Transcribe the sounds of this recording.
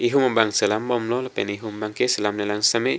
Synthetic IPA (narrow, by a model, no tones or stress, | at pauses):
iɦuməmbaŋsəlambɔmlɔləpɛniɦumbaŋkesəlamlelaŋsame